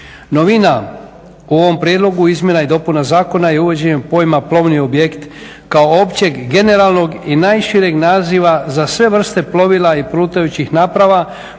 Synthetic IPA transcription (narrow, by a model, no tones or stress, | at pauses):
no̞ʋina | uo̞ʋo̞mpɾijed̪lˠo̞ɡuizmje̞naid̪o̞punazaːko̞najeuʋe̞d͡ʑeɲempo̞jmaplˠo̞ʋnio̞bjekt̪ | kaoopt͡ɕe̞ɡɡe̞ne̞ɾalˠno̞ɡinajʃiɾeɡnaːziʋazasʋe̞ʋr̩st̪e̞plˠo̞ʋilˠaipɾuːt̪ajut͡ɕixnaːpɾaʋa